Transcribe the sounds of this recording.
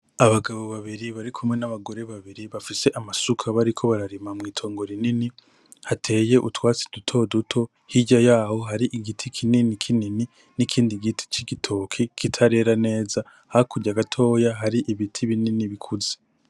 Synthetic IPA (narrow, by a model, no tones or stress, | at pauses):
aβaɡaβo̞βaβiɾiβaɾikʰumŋe̞naβaɡo̞ɾe̞βaβiɾiβafise̞ʔamasukʰaβaɾikʰo̞βaɾaɾimamŋiːtʰo̞ːŋɡo̞ɾinini | hatʰe̞ːje̞ʔutwaːt͡si̥dutʰo̞dutʰo̞ | hiɟajaːho̞ɦaɾiʔiɡitʰikʰininikʰinini | nikʰiːndiɡitʰi̥t͡ʃiɡitʰo̞kʰikʰitʰaɾe̞ɾane̞ːza | hakuɟaɡatʰo̞ːjaɦaɾiʔiβitʰiβininiβikʰuze